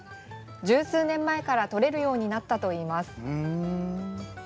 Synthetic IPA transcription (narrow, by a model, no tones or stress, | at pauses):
d͡ʑɨːsɨːnẽ̞mːae̞kaɾat̪o̞ɾe̞ɾɯ̟jo̞ːɲ̟inat̪ːat̪o̞iːmasɨ̥